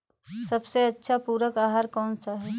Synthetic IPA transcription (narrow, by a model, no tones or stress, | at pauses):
sɐbseɐtːʃʰapuːɾəkaːɦaːɾkɔːnsaɦɛː